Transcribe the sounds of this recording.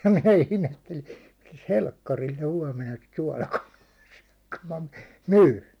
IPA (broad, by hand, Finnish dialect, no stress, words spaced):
jɑ minæ ihmetːeli milæ̆s helkːɑril ne huɒmenɑ sit suɒlɑkɑlɑː sẙø̥ ku mɑ myː